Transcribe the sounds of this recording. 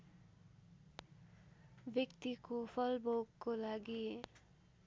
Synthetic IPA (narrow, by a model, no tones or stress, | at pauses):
bjʌkt̪ikopʰʌlbowkːolaɡi